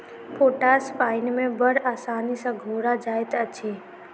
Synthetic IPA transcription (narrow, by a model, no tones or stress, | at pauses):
pʰoʈaspaːɪnmẽbəɾaːsaːnisə̃ɡʱoɾad͡ʒaːet̪ət͡ʃʰe